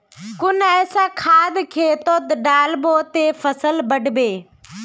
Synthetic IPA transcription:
kʊnɛːsaːkʰaːd̪kʰeːt̪oːd̪ɖaːlboːt̪eːfəsəlbɐɖbeː

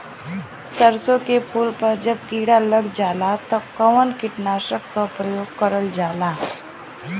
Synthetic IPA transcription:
səɾsõkepʰuːlpɐɾd͡ʒəb̚kiːɽaləɡd͡ʒaːlat̪ɐkəʋənkɪʈnaːʃəkːapɾəjoːɡ̚kəɾəld͡ʒaːlaː

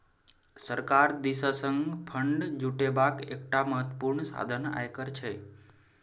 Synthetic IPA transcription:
səɾkaɾd̪isəsəŋɡpʰəɳɖd͡ʒuʈebakek̚ʈaməɦət̪əpuɾɳsa̰d̪ʱəna̰jkəɾt͡ʃʰe

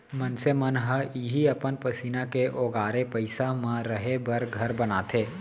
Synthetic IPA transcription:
mənsemənɦəiːɦiɐpənpɐsiːnakeʔoːɡaːɾepəɪsamãɾəɦebɐɾɡʱɐɾbənaːt̪ʰeː

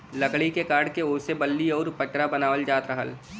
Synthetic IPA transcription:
lɐkɭikekaːɾɽkeoːsebəlːiɔːɾpəʈɾabɐnaːʋəld͡ʒaːt̪ɾəɦəl

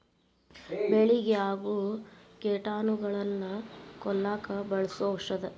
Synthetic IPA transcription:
beɭiɡeaːɡukeːʈaːnuɡɐɭɐnːɐkɔlːaːkɐbɐɭɐsoʂɐd̪e

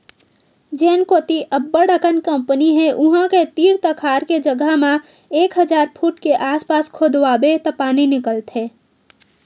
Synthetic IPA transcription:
d͡ʒeːnkoːt̪iʔəbːəɽəkənkə̃mpəniɦɛʔʊɦə̃ket̪iːɾt̪əkʰaːɾked͡ʒəɡəɦmã | eːkɦəd͡ʒaːɾpʰuːʈkeʔaːspaːskʰoːd̪wabet̪əpaːninɪkəlt̪eː

